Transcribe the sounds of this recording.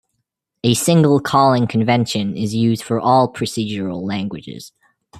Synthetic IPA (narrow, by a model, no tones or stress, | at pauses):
ɨsɪ̃ŋɡəl̩ˠkʰɔlˠɪ̃ŋkʰɨ̃ɱvɛ̃nʃɨ̃nɪzjʉzd̥fə˞ʔɔlˠpʰɹ̥ɨsid͡ʒə˞əl̩ˠlæ̃ŋɡwɨd͡ʒɪ̰z̥